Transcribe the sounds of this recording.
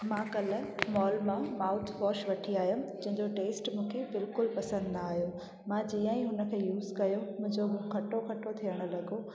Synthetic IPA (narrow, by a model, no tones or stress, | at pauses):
mãːkɐləmɔːlmãmaːʊt̪ʰʋɔːʃʋɐʈʰiaːɦijũd͡ʑɐ̃ɦɪ̃ɲd͡ʑoʈeːsʈmũːkʰebɪlkʊlpɐsə̃nd̪naaːɦijũ | mãd͡ʑiːə̃ĩɦʊnə̆kʰeːjuːzkɐjomʊ̃ɦɪ̃ɲd͡ʑomũkʰɐʈokʰɐʈot̪ʰijəɽ̃ʊ̆lɐɡo